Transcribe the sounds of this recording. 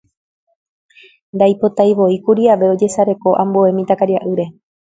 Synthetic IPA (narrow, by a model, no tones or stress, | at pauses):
nd̪ajpo̞t̪ajʋo̞ikuɾiaʋe̞o̞d͡ʒe̞saɾe̞ko̞ʔãmboe̞mĩt̪akaɾiaʔɨɾe̞